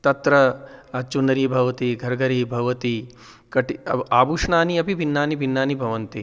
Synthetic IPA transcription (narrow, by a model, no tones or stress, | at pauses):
t̪ɐt̪ɾɐɐt͡ʃunɐɾiːbʱɐʋɐt̪iɡʱɐɾɡɐɾiːbʱɐʋɐt̪i | kɐʈiaːbuʂɳaːniɐpibʱinːaːnibʱinːaːnibʱɐʋɐnt̪i